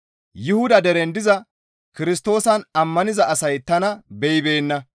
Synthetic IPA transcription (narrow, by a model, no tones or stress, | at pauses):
jɪhʊd̪ɐd̪ɛɾɛnd̪ɪzɐ | kɪɾɪst̪o̞ːsɐnɐmːɐnɪzɐʔɐsɐjt̪ɐnɐbɛjɪbe̞ːnːɐ